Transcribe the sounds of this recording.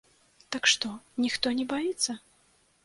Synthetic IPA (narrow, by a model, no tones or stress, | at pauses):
t̪ɐkʂt̪ɔnʲixt̪ɔnʲɛbajit̪sːɐ